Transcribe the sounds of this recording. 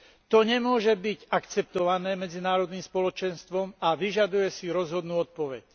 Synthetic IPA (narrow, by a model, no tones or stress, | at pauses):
t̪ɔɲɛmʊɔʒɛbiɟakt͡sɛpt̪ɔʋanɛːmɛd͡zinaːɾɔd̪niːmspɔlɔt͡ʃɛnst̪ʋɔmaʋiʒad̪ujɛsiɾɔzɦɔd̪nuːɔt̪̚pɔʋɛ̰c